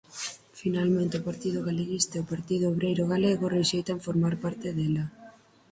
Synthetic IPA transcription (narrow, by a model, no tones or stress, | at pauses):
finalmẽnt̪ɪopaɾt̪ið̞ʊɣaleɣist̪aiopaɾt̪iðʊoβɾejɾʊɣaleɣʊreʃejt̪aɱfoɾmaɾpaɾt̪eðɛla